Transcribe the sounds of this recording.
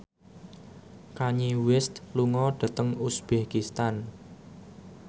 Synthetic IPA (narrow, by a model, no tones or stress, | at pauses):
kaɲiwɪst̪̚luŋɔɖ̥a̤t̪əŋusb̥akist̪an